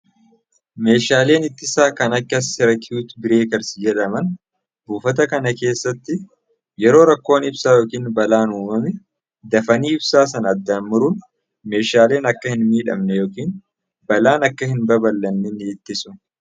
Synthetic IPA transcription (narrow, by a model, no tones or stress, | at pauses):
me̞ːʃaːle̞ːnɪt̪ːɪsaːkɐnɐkːɐsɪɾɐkjuːt̪bɪɾe̞ːkɐɾsɪjɛᶑɐmɐn | buːfɐt̪ɐkɐnɐke̞ːsːɐt̪ːɪ | jɛɾo̞ːɾɐkːo̞ːnɪbsaːjo̞ːkiːnbɐlaːnuːmɐmɛ | d̪ɐfɐniːɪbsaːs̬ɐnɐd̪ːaːnmʊɾʊn | me̞ːʃaːle̞ːnɐkːɐhɪnmiːᶑɐ̰mnɛjoːkiːn | bɐlaːnɐkːɐhɪnbɐbɐlːɐnːɛnːɪːt̪ːɪsʊ